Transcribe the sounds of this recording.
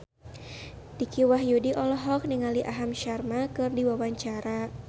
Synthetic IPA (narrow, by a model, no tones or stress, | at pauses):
d̥ikiwaɦjudiʔɔlɔɦɔk̚niŋaliʔaɦamʃarmakɨrdiwawaɲt͡ʃaɾa